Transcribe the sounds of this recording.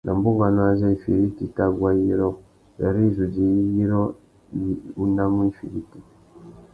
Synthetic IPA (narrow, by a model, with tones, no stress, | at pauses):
na˨mbu˦ŋɡa˨nwa˦ze˦i˨fḭ˨ɾi˦ti˨ta˦ɡwa˦ji˦ɾo˦ | ja˨ɾi˦zu˨d͡ʒi˨ji˦ji˦ɾo˦ | u˦na˦mwi˦fḭ˨ɾi˦ti˨